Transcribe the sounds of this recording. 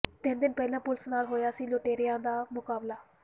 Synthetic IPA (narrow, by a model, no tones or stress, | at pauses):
t̪ɪnd̪ɪnpɛːlãːpʊlsnaːlɦoːjaːsiːloːʈeːɾɪjãːd̪aːmʊkaːblaː